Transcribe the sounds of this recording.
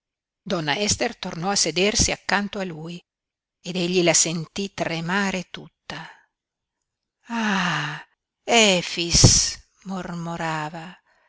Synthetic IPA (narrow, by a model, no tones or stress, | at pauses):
d̪ɔnːaɛst̪ert̪ornɔased̪ersiakːant̪oaluːj | ed̪eʎːilasent̪it̪remaːɾet̪ut̪ːa | a | ɛfis | mormoɾaːva